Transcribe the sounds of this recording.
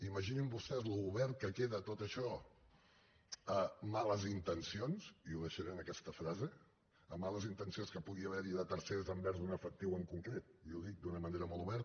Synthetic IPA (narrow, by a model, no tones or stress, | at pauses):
iməʒinimbust̪ɛzluːβɛɾt̪̚kəkeðət̪ot̪əʃɔ | əmaləzint̪ənsionz̥iuðəʃəɾɛnəkɛst̪əfɾazeː | maləzint̪ənsionskəpuɣiəβɛɾiðət̪əɾseɾəzəmbɛɾzd̪unəfək̚t̪iwəŋkuŋkɾet̪̚iuðik̚d̪unəməneɾəmɔlˠuβɛɾt̪